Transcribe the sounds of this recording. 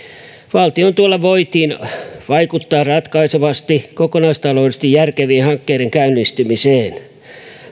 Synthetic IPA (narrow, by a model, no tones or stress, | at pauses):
ʋɑlt̪iont̪uolːɑʋoit̪iːnʋɑikut̪ːɑːrɑt̪kɑiseʋɑst̪ikokonɑist̪ɑloːdest̪ijjærkeʋiːnhɑŋkːeːɾeŋkæynːˑist̪ymiseːn